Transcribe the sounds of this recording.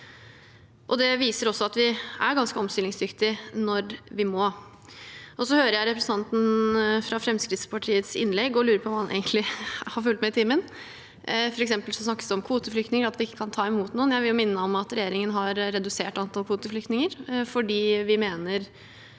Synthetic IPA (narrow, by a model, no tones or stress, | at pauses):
ʔɔd̪ɛʋiːsəɾɔsːɔɑt̪ʋɪæɾɡɑnskəɔmst̪ɪlɪŋsd̪ʏkt̪ɪnɔɾʋɪmoː | ʔɔsɔhøːɾəjæɪɾɛpɾəsn̩t̪ɑnt̪n̩fɾɑfɾɛmskɾɪt̪spʰɑʈʰiːət̪sɪ̰nːlɛɡːɔlʉːɾəpʰɔʋɑhɑnæ̰ɪɡənt̪lɪhɑɾfʉlt̪mɛɪt̪ʰiːmːən | fɔɾɛksɛmpəlsɔsnɑkːə̥sd̪ɛɔmkʰʋuːt̪əflʏkt̪nɪŋəɾɑt̪ʋɪɪkːə̥kʰɑnt̪ʰɑːɛmuːt̪nuːənjæɪʋɪljʊmɪnːəɔmɑt̪ɾɛjeːɾɪŋənɦɑɾːɛd̪ʉseːʈɑnt̪ʰɑlkʰʋuːt̪əflʏkt̪nɪŋəɾfɔɖiːʋɪmeːnəɾ